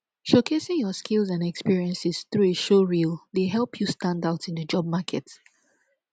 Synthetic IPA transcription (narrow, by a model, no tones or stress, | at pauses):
ʃokʰesɪ̃ŋjɔskʰɪlˠzãnɛkspiɹiɛ̃nsɪsθɹueʃoɹilˠdeɦɛlˠpʰjustãndaʊtɪ̃ndəd͡ʒɔb̚makʰɛt